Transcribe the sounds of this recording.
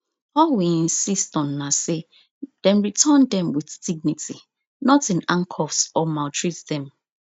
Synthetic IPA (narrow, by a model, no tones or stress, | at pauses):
ɔwiĩnsistɔ̃nːase | d̥ɛ̃nɹitʰandɛ̃mwiθdiɡ̚nitʰi | nɔtĩnãŋkʰɔfsɔmaltɹitdɛ̃m